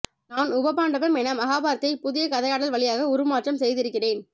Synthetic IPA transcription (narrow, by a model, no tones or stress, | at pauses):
naːnʊbɐpaːɳɖɐʋɐmɛnamɐɣaːbaːɾɐt̪ːɐɪpʊðɪjɐkɐðɐjaːɽɐlʋɐɭɪjaːɣɐʊɾɯmaːʈrɐmsɛjðɪɾɯkːɪreːn